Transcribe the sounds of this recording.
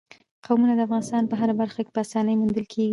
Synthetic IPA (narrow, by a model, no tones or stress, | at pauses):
qawmunad̪əafɣɑnɪst̪ɑnpəɦaɾabaɾxake̥pəasɑnəjmund̪əlkʰeɡi